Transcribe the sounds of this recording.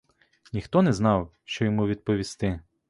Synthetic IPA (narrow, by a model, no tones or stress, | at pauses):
nʲixt̪ɔnɛznɑwʃt͡ʃɔjɔmuʋʲid̪̚pɔʋʲist̪ɪ